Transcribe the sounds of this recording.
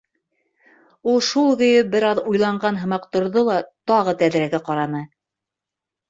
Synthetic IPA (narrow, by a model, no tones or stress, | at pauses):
ulˠʃulˠɣɵ̆jɘbɘ̆ɾɑðujlˠɑɴɢɑnɦɤ̆mɑqt̪ŏɾðolˠɑt̪ɑʁɤt̪æðɾæɡæqɑɾɑnɤ